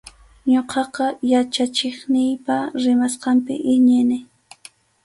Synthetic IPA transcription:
ɲoqʰɑqɑjat͡ʃat͡ʃɪχnɪjpaɾɪmasqɑmpɪ̰ʔɪɲɪnɪ

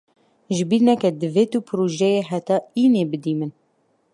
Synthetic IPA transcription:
ʒɨbiːɾnɛkɛd̪ɨveːt̪upʰɨɾoʒɛjeːɦɛt̪ɑːiːneːbɨd̪iːmɨn

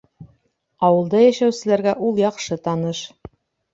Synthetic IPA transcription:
ɒwɤ̆lˠd̪ɑjæʃæwsɘ̆læɾɡæʔulˠjɒqʃɤt̪ɑnɤʃ

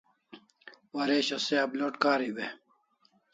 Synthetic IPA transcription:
wɐɾeːɕoseɐbloʈkaːɾiwe

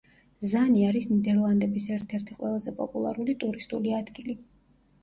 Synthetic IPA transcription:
zaniaɾisnid̪ɛɾlˠand̪ɛbisɛɾt̪ʰɛɾt̪ʰiqʼwɛlˠazɛpʼɔ̰pʼulˠa̰ɾulit̪ʼuɾist̪ʼuliad̪ɡili

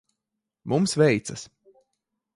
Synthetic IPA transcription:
mumsvɛjt̪sɐs

